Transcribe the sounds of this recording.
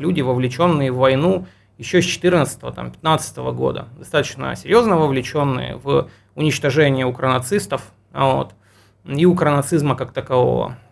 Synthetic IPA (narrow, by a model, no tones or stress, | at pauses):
lʲudʲɪvəvlʲɪt͡ɕo̞nːɨjəvːɐjnu | jɪɕːosʲt͡ɕɪ̥t̪ɨrnət̪sə̥t̪əvət̪a̰mpʲɪ̥t̪nat̪sɨ̥t̪əvə̰ɡo̞̰d̪ə̰d̪ɐst̪at̪ət͡ɕnə̰sʲɪɾʲjo̞znəvəvlʲɪt͡ɕo̞nːɨ̰jə̰v | ʊnʲɪt͡ɕt̪ɐʐɛnʲɪjəʊkɾənɐt̪sɨst̪əf | vo̰t̪ | iʊkɾənɐt̪sɨzməkak̚t̪əkɐvo̞̰və̰